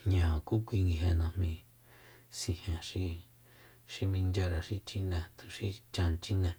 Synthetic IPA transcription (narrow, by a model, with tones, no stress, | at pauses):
ɲãː˨ku˦kʷi˧ŋɡi˧ɦe˧nã˧mĩ˧˨ | si˧hẽ˨ʂi˧ | ʃi˧mĩ˧nd͡ʒa˧ɾa˧ʃi˧t͡ʃi˧nẽ˧˨t̪u̥˨ʃi˦t͡ʃã˧n˧t͡ʃi˦nẽ˧˨